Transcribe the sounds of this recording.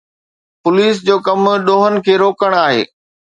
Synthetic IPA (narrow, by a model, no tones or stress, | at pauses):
pʊliːs̬d͡ʑoːkɐmɗoːɦənɪ̆kʰeːɾoːkəɽ̃aːɦḛː